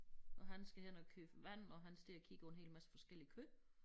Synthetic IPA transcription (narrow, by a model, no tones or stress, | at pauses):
ʔɒ̽ɦænsɡ̥æhen̰ɒkʰøːbʋæn̰ɒ̽ɦænsd̥iɐɐkʰiɡ̥əɒ̽e̝nɦe̝̰ːlmæsə̥fɒ̽sɡ̥el̰ikʰø